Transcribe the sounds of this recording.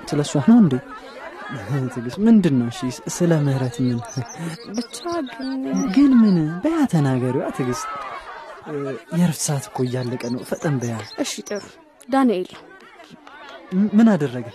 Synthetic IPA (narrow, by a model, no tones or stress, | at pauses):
sɨləsːuahnəwɨnd̪iw | ht̪ʰɨɡɨst̪mɨnd̪ɨnːəwʃisɨləməhɾət̪mːɨn | bɨt͡ʃːaɡɨnɡɨnmɨnɨbəjat̪ʰənaɡəɾiwat̪ʰɨɡɨst̪ʼ | jɛɾfsat̪kʰːojalːəkʼənəwfət̪ʼəmbəjaʔɨʃit̪ʼɨɾu | d̪anel | mɨnad̪ərːəɡə